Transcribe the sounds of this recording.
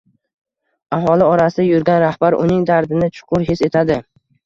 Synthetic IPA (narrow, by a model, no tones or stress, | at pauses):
aɦɒlɪɒɾasɪajʊɾɡʲanɾahb̥aɾʔʊ̰nɪŋd̪aɾd̪ɪnɪt͡ʃʰʊ̥qʰʊɾɦɪse̞t̪ʰad̪ɪ